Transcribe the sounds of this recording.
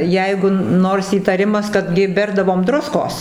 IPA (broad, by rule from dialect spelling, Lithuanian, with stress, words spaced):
ˈjɛɪɡʊ ˈnoːrs iːtɐˈrʲɪmɐs ˈkɐt ɡʲɪ ˈbʲɛrdɐʋoːm ˈdrʊskoːs